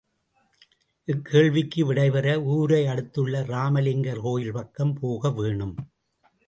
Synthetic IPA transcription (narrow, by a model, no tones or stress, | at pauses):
ʔɪkʰːeːɭʋɪkːɯʋɪɽɐɪpɐɾɐuːɾɐɪɐɽɯt̪ːɯɭːɐɾaːmɐlɪŋɡɐɾɦoːjɪlpɐkːɐmpʰoːɣɐʋeːɳɯm